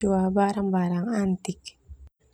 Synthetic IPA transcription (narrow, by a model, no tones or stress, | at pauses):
uabaɾaŋbaɾaŋant̪ik